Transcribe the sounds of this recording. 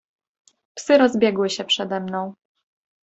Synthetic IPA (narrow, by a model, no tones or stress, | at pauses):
psɘɾɔzbʲjɛɡwɘɕɛpʂɛd̪ɛmnɔ̃w̃